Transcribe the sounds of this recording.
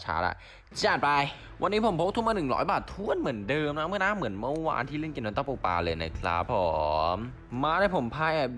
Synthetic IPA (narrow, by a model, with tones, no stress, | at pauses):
t͡ɕʰa̰ː˦˥ʔa̰˧˩ | t͡ɕaː˨˩t̪̚pa˧j | wa˧nːiː˦˥pʰo˨˩˦pʰo˦˥t̪ʰmaː˧nɯ˨˩ŋlɔ̰ː˨˦jbaː˨˩t̪ʰːu˥˩ənmɯ˩˦əndɤː˧mna˦˥mɯ˥˩ənaː˥˩˨mɯ˩˦ənmə˧˥˩wa̰ː˧nt̪ʰiː˥˩le˥˩nki˧nma˧nt̪ɔ˥˩po˧pa̰ː˧lɤː˧jna̰˦˥kʰɾa̰˦˥pʰːɔː˧˩˦mː | aː˧ɾaː˥˩jpʰo˩˦mpʰaː˧jʔa˨˩